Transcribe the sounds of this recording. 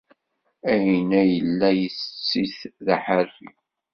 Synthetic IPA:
æjnæjəlːæjəst͡sːiθðaħərːḭ

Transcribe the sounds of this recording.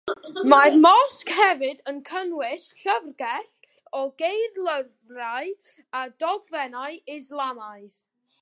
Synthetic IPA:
marmɔskhɛvɨdənkʰənwɪɬɬəvrɡɛɬ | ɔɡejrlˠəvraɨ | ad̥ɔɡvɛnaɨɪzlˠamaɨð

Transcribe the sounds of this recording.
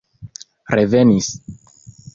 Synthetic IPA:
ɾeve̞nis

